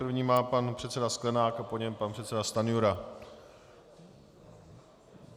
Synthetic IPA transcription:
rvɲiːmaːpanpr̥ɛt̪sɛdasklɛnaːkapoɲɛmpanpr̥ɛt̪sɛdast̪anjuɾa

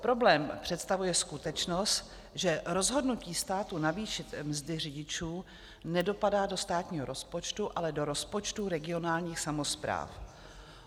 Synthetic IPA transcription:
pɾo̞blɛːmpr̝̥ɛt̪st̪avujɛskut̪ɛt͡ʃno̞st̪ | ʒɛɾo̞zɦo̞dnuciːst̪aːt̪unaviːʃɪt̪mzdɪr̝ɪɟɪt͡ʃuː | nɛdo̞padaːdo̞st̪aːt̪ɲiːɦoɾo̞spo̞t͡ʃt̪uʔalɛdo̞ɾo̞spo̞t͡ʃt̪uɾɛɡɪo̞naːlɲiːxsamo̞spɾa̰ːf

